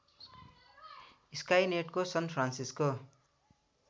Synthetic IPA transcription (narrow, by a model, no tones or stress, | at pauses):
iskajneʈkosʌnpʰransisko